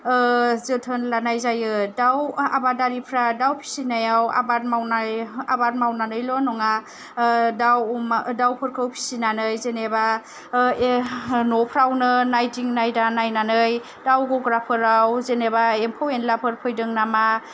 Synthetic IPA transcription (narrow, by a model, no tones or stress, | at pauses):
zɯtʰɯnlanajzajɯdawa̰badaɾipʰɾadawpʰi̥sinajawa̰bat̚mawnajabat̚mawnanɯjlɔnɔŋa | dawmdawpʰɯɾkʰɯwpʰi̥sinanɯjzeneba | nɔpʰɾawnɯnajdiŋnajdanajnanɯj | dawɡɔɡɾapʰɯɾawzenebaempʰowenlapʰɯɾpʰɯjdɯŋnama